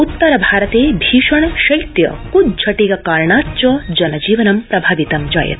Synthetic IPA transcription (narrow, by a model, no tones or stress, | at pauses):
ut̪ːɐɾɐbʱaːɾɐt̪eːbʱiːʃɐɳʃɐjt̪jɐ̰kud̪̚t͡ʃʰɐʈiɡɐkaːɾɳaːt̪t͡ʃɐd͡ʒɐnɐd͡ʒiːʋɐnɐmpɾɐbʱaːʋit̪ɐmd͡ʒa̰ːjɐ̰t̪